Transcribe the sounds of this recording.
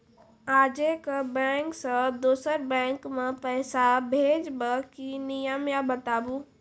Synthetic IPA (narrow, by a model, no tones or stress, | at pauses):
aːd͡ʒekabɛ̃ːŋksəd̪uːsəɾbɛ̃ːŋkmẽpɛːsabʱeːd͡ʒbəkinɪjəmjabət̪aːbuː